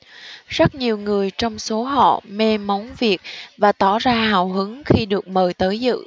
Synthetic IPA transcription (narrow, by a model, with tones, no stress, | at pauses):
z̥ə˦˥t̚ɲi˨˩əwŋɨ˨˩əjt͡ɕɔ˧wŋ͡mso˨˦ɦɔ̰˧˨me˧ma˨˦wŋ͡mvi˨˩ək̚vaː˨˩t̪ɔ̰˧˩zaː˧ɦaː˨˩wɦɨ˨˦ŋxi˧ɗɨ˨˩ək̚məː˨˩jt̪əː˨˦jzɨ̰˧˨